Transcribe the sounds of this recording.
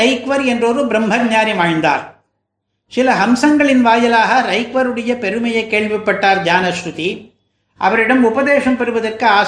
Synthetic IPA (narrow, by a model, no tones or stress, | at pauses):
ɐɪkʋɐɾɛndroɾɯbɾɐmbʱɐkɲaːɾimaːɻnd̪a̰ːɾ | sɪlɐɦɐmsɐŋɡɐɭɪnʋaːjɐlaːɣɐɾɐɪkʋɐɾɯɽɐjɐpɛɾɯmɐjɐɪkːeːɭʋɪpːɐʈːaːɾd͡ʒaːnɐʃɾʊt̪i | ʔɐ̰ʋɐɾɪɽɐmʊbɐðeːʂɐmpɛɾɯʋɐðɐrkɯaː